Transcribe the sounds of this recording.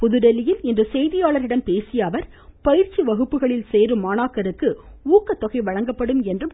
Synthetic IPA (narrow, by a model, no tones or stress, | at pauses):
pʊðɯɽɐlɪjɪlɪndrɯsɛjðɪjaːɭɐɾɪɽɐmpeːsɪjaːʋɐɾ | pɐjɪɾt͡ʃːiʋɐɣɯpːɯɣɐɭɪlseːɾɯmːaːnaːkɐɾɯkːɯuːkːɐt̪ːɔɣɐɪʋɐɻɐŋɡɐpːɐɽɯmɛndrɯm